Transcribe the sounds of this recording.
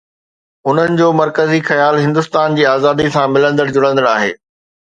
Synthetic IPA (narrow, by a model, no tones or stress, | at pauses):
ɦʊn̤ənɪ̆d͡ʑoːmɐɾkəzixɐjaːlɦɪ̃nd̪ʊst̪aːnd͡ʑiːaːzaːd̪isãmɪlə̃nd̪əɽd͡ʑʊɽə̃nd̪əɽaːɦḛː